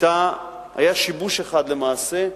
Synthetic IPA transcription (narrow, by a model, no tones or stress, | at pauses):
t̪a | ha̰jaʃibuʃeχad̪le̞maːse̞